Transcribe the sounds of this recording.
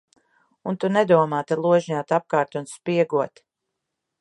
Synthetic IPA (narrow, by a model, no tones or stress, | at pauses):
unt̪unɛd̪uɔmaːt̪alˠuɔʒɲat̪ap̚kaːɾt̪unspiɛɡuɔt̪